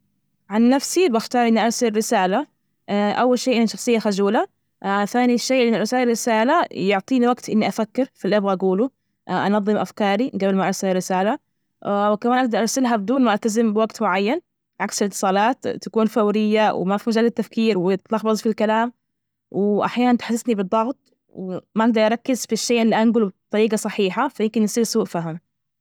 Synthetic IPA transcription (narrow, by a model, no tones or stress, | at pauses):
ʕanːafsibaxt̪ɑːɾˤʔɪnːiʔɑɾˤsalɾɪsaːla | ʔawːalʃeːʔɪnːaʃɑxsˤɨjːaxad͡ʒuːla | θaːniʃeːʔʔɪnːɪɾˤːɪsaːlaɾɪsaːlajʊʕt̪ˤiːniwaɡt̪ʔɪnːiʔafakːɪɾfilʔɪbɣaʔaɡuːlu | ʔʔɑ̰nɑðˤːɨmʔafkɑːɾiɡabɪlmaʔɑɾˤsalarːɪsaːla | wɪkamaːnʔaɡ̚d̪ɑɾˤʔɑɾˤsɪlɦabd̪uːlmaʔalt̪azɪmbɪwaɡt̪mʊʕajːan | ʕaksɪlɪt̪ːɨ̥sˤɑːlɑːt̪t̪ːakuːnfawɾɪjːaw̰mafimad͡ʒaːlːɪt̪ːafkiːɾwɪjɪt̪lɑxbɑzˤfilkalaːm | wɪʔa̰ħjaːnant̪ħasɪsnibɨd̪ˤːɑɣt̪̚ˤ | wmaʔaɡ̚d̪ɑɾˤʔɑɾˤɑkːɪzfiʃːeːʔɪlːiʔanɡʊlbɨt̪ˤːɑɾiːɡɑsˤɑħiːħafajɪmkɪnjsˤiːlsuːʔfaɦɪm